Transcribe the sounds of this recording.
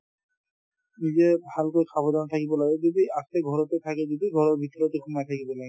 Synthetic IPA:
nizɛbʱalkojkʰabɔdɔnɔt̪ʰakibɔlaɡɛd͡ʒodiasɛɡʱɔɹɔt̪ɛt̪ʰakɛd͡ʒodiɡʱɔɹɔɹbʱit̪ɔɹɔt̪ekʰumajt̪ʰakibɔlaɡɛ

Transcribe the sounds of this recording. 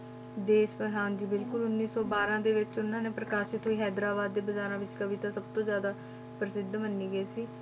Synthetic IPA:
d̪eːʃpəɦãːnd͡ʒiːbɪlkʊlʊnːiːsɔːbaːɾãːd̪eːʋɪt͡ʃʊnːãːneːpɾəkaːʃɪt̪ɦoiːɦɛːd̪ɾaːbaːd̪ːeːbəzaːɾãːʋɪt͡ʃkəʋiːt̪ãːsəb̚t̪õːzjaːd̪aː | pɾəsɪd̪mənːiːɡəeːsiː

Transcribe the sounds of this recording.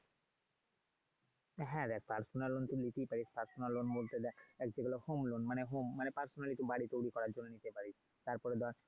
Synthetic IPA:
ɦɛ̃d̪ɛk̚ʰpaɾsonalːont̪ulit̪ipaɾispaɾsonaɾlːonbolt̪ed̪ɛɛk̚d͡ʑeɡɛlohomlonmaneɦomːanepaɾsonalit̪ubaɽit̪ojɽikɔɾaɾd͡ʑonːonit̪epaɾit͡ʃʰ | t̪aɾpɔɾed̪aɾ

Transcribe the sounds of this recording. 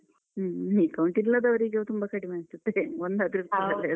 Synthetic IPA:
nikɐwuɳʈilːɐd̪ɐʋɐɾiɡet̪umbɐkɐʈimaːnist̪ut̪ːeond̪ɐd̪iɾukt̪ɐɐle

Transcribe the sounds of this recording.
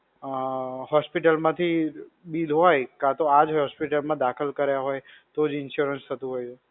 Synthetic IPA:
hɔspiʈəlmãt̪ʰibilɦɔjkat̪oad͡ʒɦɔjɦɔspiʈəlmãd̪akʰəlkəɾjaɦojt̪od͡ʒɪnʃuɾənst̪ʰət̪ũɦojt͡ʃʰu

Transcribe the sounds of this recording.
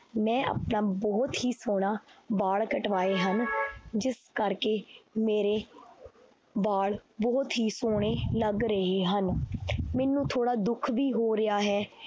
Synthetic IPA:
mɛ̃ːʔə̰ːpnaːbɔːt̪ɦiːsoːɽ̃aːbaːɭkəʈʋaːeːɦənd͡ʒɪskəɾkeːmeːɾeː | baːɭbɔːt̪ɦiːsoːɽ̃eːləɡɾəɦeːɦənmɛːnːũːt̪ʰoːɽaːd̪ʊkʰʋiːɦoːɾɪjaːɦɛː

